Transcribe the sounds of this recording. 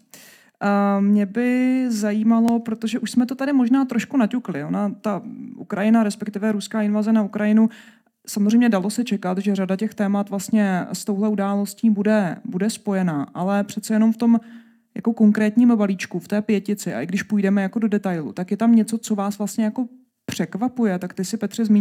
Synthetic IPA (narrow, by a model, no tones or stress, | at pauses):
mɲɛbɪzajiːmalo̞pɾot̪o̞ʒɛʔuʃsmɛt̪o̞t̪adɪmo̞ʒnaːt̪ɾo̞ʃkunacuklɪʔo̞nat̪aʔukɾajɪnaɾɛspɛkt̪ɪvɛɾuskaːɪnvazɛnaukɾajɪnu | samozr̝ɛjmɲɛdalo̞sɛt͡ʃɛkat̪ʒɛr̝adacɛxt̪ɛːmat̪vlast̪ɲɛst̪o̞wɦlɛʔudaːlo̞sciːbudɛbudɛspo̞jɛnaːʔalɛpr̝̥ɛt̪t͡sɛjɛno̞mft̪o̞m | ja̰ko̞ko̞ŋkɾɛːt̪ɲiːmbaliːt͡ʃkuft̪ɛːpjɛcɪt͡sɪʔa̰ʔɪɡdɪʃpujdɛmɛjako̞do̞dɛt̪ajlṵt̪akjɛt̪amɲɛt͡so̞t͡so̞vaːsvlastɲɛjako̞ | pr̥ɛkvapujɛt̪akt̪ɪsɪpɛt̪r̥ɪzmi